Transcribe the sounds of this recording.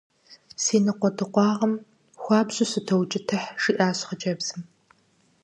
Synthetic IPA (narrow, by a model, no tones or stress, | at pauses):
siːnɨqʷɔdʰɨqʷɑːʁɐm | xʷɑːbʑʼɪsɨtʰɐwt͡ʃʼɪtʰɐħʂiːʔaːɕχəd͡ʒʼɐbz̥ɨm